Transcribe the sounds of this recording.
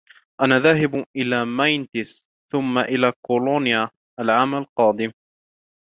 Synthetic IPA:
ʔanaːðaːɦɪbʔɪlaːmajnt̪ɪs | θʊmːaʔɪlaːkoloːnja | ʔalʕaːmalqɑːd̪ˤɪm

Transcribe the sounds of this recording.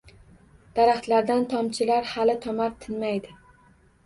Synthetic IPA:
d̪̥aɾaχt̪laɾd̪ant̪ʰɒmt͡ʃʰɪlaɾhalɪt̪ʰɒmaɾt̪ʰɪnmajd̪ɪ

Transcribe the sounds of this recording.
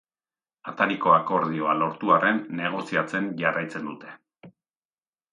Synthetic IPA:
at̪aɾiko̞ako̞ɾðio̞alo̞ɾt̪uarʔe̞nːe̞ɣ̞o̞siat͡se̞nʝarʔajt͡se̞nd̪ut̪e̞̥

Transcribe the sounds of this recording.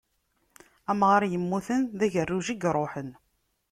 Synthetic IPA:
æmʁaɾjəmːuθənðæʝərːuʒiɡɾˤoħən

